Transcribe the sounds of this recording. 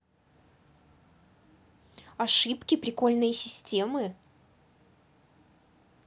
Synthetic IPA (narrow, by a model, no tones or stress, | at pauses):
ɐʂɨpkʲɪpɾʲɪko̞lʲnɨjsʲɪsʲtʲe̞mɨ